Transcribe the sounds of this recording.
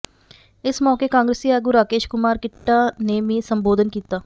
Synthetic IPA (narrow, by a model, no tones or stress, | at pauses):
ɪsmɔːkekãːŋɡɾeːsiɛːɡuːɾaːkeːʃkʊmaːɾkɪʈːaneːmĩsəmboːd̪ʱənkiːt̪aː